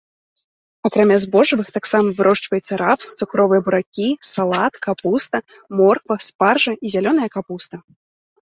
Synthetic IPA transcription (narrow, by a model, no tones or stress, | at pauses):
akɾamʲazbɔʐɨvɨxt̪aksamɐvɨɾʔɔʂt͡ʂvɐjɛt̪sːɐɾapst̪sukɾɔvɨjɐbuɾakʲisalˠat̪kapust̪ɐ | mɔrkvɐsparʐɐizʲalʲɔnɐjɐkapust̪ɐ